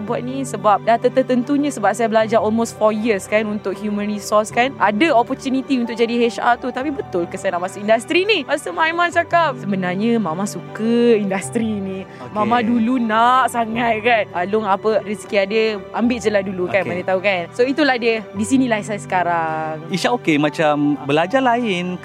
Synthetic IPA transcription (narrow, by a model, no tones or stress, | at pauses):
bua̰ʔ̪̚nisəbap̚daht̪ət̪ət̪ənt̪uɲãsəbap̚sajabəlad͡ʒaɾɔlmost̪fɔjiəskanunt̪ʊk̚hjumə̃nrisɔskanʔadəɔpɔrt̪unit̪iunt̪ʊk̚d͡ʒadiɦeʃa̰t̪ut̪apibət̪ʊlkəsanaʔmasaindast̪ɾiniɾasəmãimãnt͡ʃakap̚səbənarɲəmãmãsukəindast̪ɾinĩ | mamãdulunaʔsaŋat̪̚kanalʊŋapərisi̥kiadəʔambɪʔsəlahdulukanasit̪aukansoit̪ulahdədisinĩlaisasə̥kaɾaŋiʃaʔokemãt͡ʃambəlad͡ʒalaɪn